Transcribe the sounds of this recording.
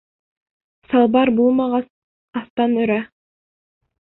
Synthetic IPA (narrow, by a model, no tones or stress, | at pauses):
sɑlˠbɑɾbulˠmɑʁɑ | ɑst̪ɑnøɾæ